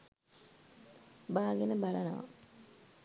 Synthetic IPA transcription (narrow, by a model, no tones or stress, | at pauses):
baːɡenəbalənoʋa̰